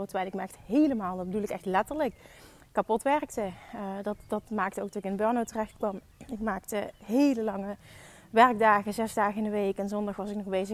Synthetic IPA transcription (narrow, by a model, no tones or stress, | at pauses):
təʋɛjlɪkməɛxtɦejləmaːlˠdɑd̚bədulˠɪkɛxtlɛtəɹləkː | apɔtʋɛɹktədɑtd̥ɑtmaːk̚təowkdɔtɪkɪndəbœɹnowtərɛxt̚kʋɑm | ɪkmaːktəɦejləlɑŋə | ʋɛɹɡ̚daːɣəzɛzdaːɣəɪndəʋejkɛnzɔndɑχʋɑsɪknɔxbejzə